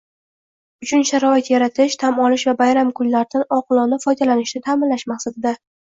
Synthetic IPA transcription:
ʊt͡ʃʰʊnʃaɾɒɪt̪jaɾat̪ʰɪʃt̪ʰamɒlɪʃvabajɾamkʰʊllaɾd̪anɒqɨlˠɒnɪfɒjd̪alanɪʃnɪt̪ʰaːmɪnlaʃmaχsat̪ʰɪd̪a

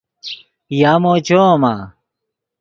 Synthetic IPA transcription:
jaːmoːt͡ɕoma

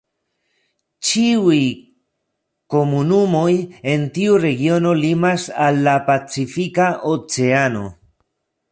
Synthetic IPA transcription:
t͡ʃiuj | ko̞munumo̞je̞ntiuɾe̞ɡio̞no̞limasalːapat͡sifikaʔot͡se̞ano̞̰

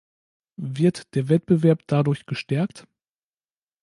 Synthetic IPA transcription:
vɪɐtd̥eːɐvɛt̚b̥əvɛɐpd̥adʊɐçɡ̥əʃtɛɐkt

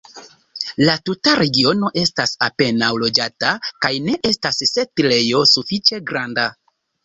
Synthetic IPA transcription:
latutaɾe̞ɡio̞no̞ʔe̞stasape̞nawlo̞d͡ʒatakajne̞ʔe̞stasːe̞tle̞jo̞sufit͡ʃe̞ɡɾanda

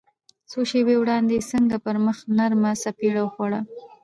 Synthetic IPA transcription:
soʃebewɽɑnd̪esəŋɡapəɾməxnaɾmasapiɽawxwaɽa

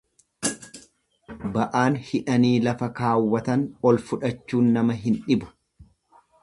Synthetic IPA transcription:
bɐʔaːnhɪᶑɐniːlɐfɐkaːwːɐt̪ɐnɔlfʊᶑɐt͡ʃːuːnːɐmɐɦɪnᶑɪbʊ̥

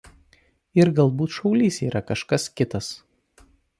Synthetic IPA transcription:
ɪɾɡɐlˠbuːt̪ʃɒʊlʲiːsiːɾʔɐkɐʃkɐskʲɪt̪ɐs

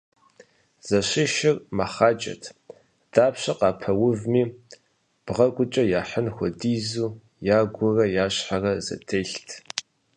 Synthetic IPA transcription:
z̥ɐɕɪʃɪrmaχaːt͡ʃʼɐ̰tʰ | d̥aːpɕɐqɑːpʰɐwʊvmiː | b̥ʁɐɡʷʊt͡ʃʼɐjaːħənxʷɔdiːzuː | jaːɡʷʊrɐjaːɕħarɐzɐ̰tʰejɬtʰ

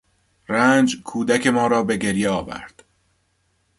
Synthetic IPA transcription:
ræːnd͡ʒkʰuːd̪æcʰe̞mɒːɾɒːbe̞ɟe̞ɾjeɒːvæ̰ɾd̪̥

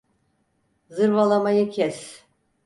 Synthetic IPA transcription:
zɯɾvalˠamajɯcʰɛs

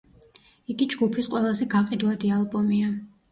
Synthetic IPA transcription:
iɡid͡ʒɡupʰisqʼwɛlˠazɛɡaqʼid̪wad̪ialˠbɔmia

